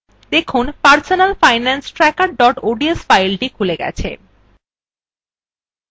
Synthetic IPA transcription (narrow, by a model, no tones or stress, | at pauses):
d̪ekʰunpaɾsonalfajnansʈɾɛkaɾɖɔʈoɖiesfajlʈikʰuleɡɛ̰t͡ɕʰḛ